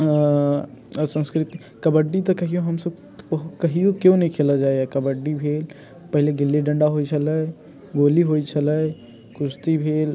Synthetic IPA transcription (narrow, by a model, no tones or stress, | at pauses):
sə̃nskɾɪt̪i | kɐbəɖːit̪okɐɦijoɦɐmsəb | kɐɦijõkjõnɐɦĩkʰeːlad͡ʒaːeakɐbəɖːibʱeːl | pɐɦɪleɡɪlːiɖɐ̃ɳɖaɦoːit͡ʃʰɐlə | ɡoːliɦoːit͡ʃʰɐlə | kʊst̪ibʱeːl